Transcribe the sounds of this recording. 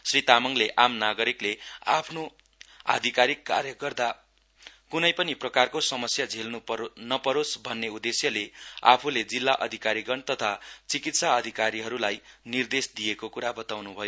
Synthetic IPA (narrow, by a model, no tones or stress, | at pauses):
srit̪amʌŋleʔamnaɡʌɾikleapʰno | a̰d̪ʱikaɾikːa̰rjʌɡʌrd̪a | kunʌjpʌniprʌkarkosʌmʌsjad͡zʱelnunʌpʌɾosbʱʌnːeud̪esjʌlea̰pʰuled͡zilːaʔʌ̰d̪ʱikaɾiɡʌnt̪ʌt̪ʰat͡sikit̪saʌd̪ʱikaɾiɦʌɾulajnird̪esd̪ijekokuɾabʌt̪awnubʱʌjo